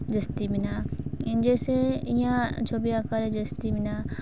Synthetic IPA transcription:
d͡ʒəst̪ibinãnd͡ʒesejãt͡ʃʰobijakaɾed͡ʒəst̪ibɪna

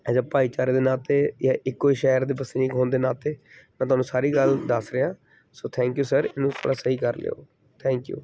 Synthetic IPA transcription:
ɛd͡ʒapaːiːt͡ʃaːɾeːd̪eːnaːt̪eːjaːʔɪkːoːiːʃɛːəɾd̪eːbəsniːkɦoːnd̪eːnaːt̪eːmɛ̃ːt̪ʊaːnũːsaːɾiːɡəld̪əsɾeãː | soːt̪ʰɛ̃ːŋkjuːsəɾɪnũːt̪ʰa̰ːɽaːsəɦiːkəɾlḛːo̰ː | t̪ʰɛ̃ːŋkjṵː

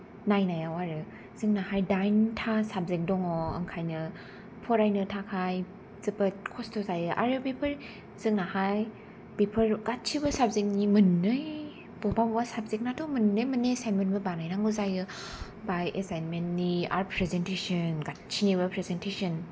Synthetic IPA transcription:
najnajawaɾɯ | z̥ɯŋnahajdajntʰasap̚zek̚dɔŋɔɯ̰ŋkʰajnɯ | pʰɔɾajnɯtʰakʰaj | zɯpɯt̚kʰɔstʰɔzajɯʔa̰ɾɯbepʰɯɾ | z̥ɯŋ̚nahaj | bepʰɯɾɡat̚t͡ʃʰibɯsab̚zek̚nimɯnːɯj | bɔpabwasabzek̚natɔmɯnːɯjmɯnːesajnmenbɯbanajnaŋɡɯzajɯ | bajʔesajnmentːia̰ɾpʰɾezentesɯnɡat̚t͡ʃʰinibɯpʰɾezentesɔn

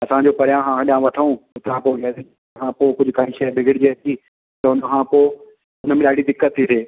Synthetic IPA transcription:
ɐsãːd͡ʑoːpɐɾijãːɦãːɐɗãʋɐʈʰəũʊt̪ɾãpoɡɛːd̪ | kʰãːpoːkʊd͡ʑʱʊkaːĩʃɛːbʱɪɡɪɽɪd͡ʑeːt̪ʰiː | t̪ɐʊnəkʰãːpoː | ʊnəmẽɗaːɽid̪ɪkːət̪ʰːiseː

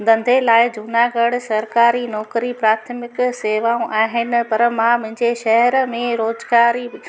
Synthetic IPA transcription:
d̪ʱɐ̃nd̪ʱelaːɪd͡ʑʱunaɡɐɽsɐɾkaːɾinɔːkɾipɾaːt̪ʰəmɪkseːʋaːũʔaːɦɪnɪ̆pɐɾmãmʊ̃ɦɪ̃ɲd͡ʑeʃɐɦɛɾmẽɾoːzɡaːɾi

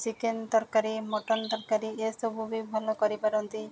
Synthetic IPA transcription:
sikend̪ɔɾkaɾimɔʈɔnd̪ɔɾkaɾiesobʱubibʱɔlɔkɔɾipaɾɔnt̪i

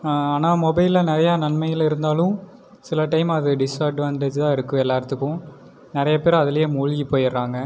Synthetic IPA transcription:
aːnaːmɔbɐɪlɐnɪɾɐjaːnɐnmɐjɪlɪɾɯnd̪aːlʊ̃ | sɪlɐʈɐɪmɐðɯɖɪsɐːɾɖʋaːnʈeːd͡ʒt̪ãːɪɾɯkːɯ̃ɛlːaːɾt̪ɯkːʊ̃ | nɪɾɐjɐpeːɾɐðɪlɐjeːmʊɻɣipːoːjɪɾːaːŋɡɐ

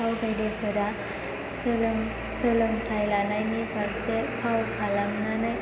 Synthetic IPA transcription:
awdajdepʰɯɾa | slm | sɯlɯmtʰajlanajnibʱaɾsepʰawkʰalamnanɯj

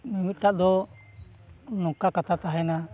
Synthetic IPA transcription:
mimit̪aʔd̪ɔ | nɔkakat̪at̪aɦɛna

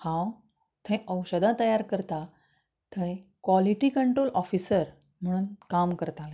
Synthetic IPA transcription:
hãw | t̪ʰẽʔəwɕəd̪ʱãt̪əjaɾkəɾt̪a | t̪ʰə̃kʋaliʈikəɳʈɾolʔɔfisəɾ | m̤əɽ̃uːnkamkəɾt̪alẽ

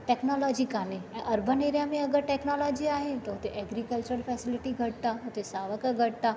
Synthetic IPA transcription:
ʈɛːknɔːlɔːd͡ʑikaːneɛ̃ːʔɐɾbʱəneːɾijamẽɐɡəɾʈɛːknoːlɔːd͡ʑiaːɦet̪ɐɦʊt̪eʔɛːɡɾikəlt͡ɕəɾfʰɛːsɪlɪʈiɡʱɐʈ̚t̪aɦʊt̪esaːʋəkəɡʱɐʈ̚t̪aː

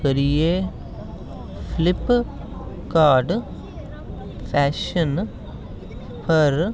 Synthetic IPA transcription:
kɐɾije | fʰlɪp | kaːɾɖ | pʰɛːʃən | pʰɐɾ

